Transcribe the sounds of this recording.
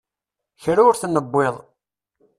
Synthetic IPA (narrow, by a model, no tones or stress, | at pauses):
çɾʊɾθnəbːeðˤ